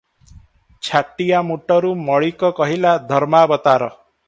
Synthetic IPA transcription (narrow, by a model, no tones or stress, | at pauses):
t͡ʃʰaʈːijamuʈɔɾumɔɭikɔkɔɦilad̪ʱɔɾmabɔt̪aɾɔ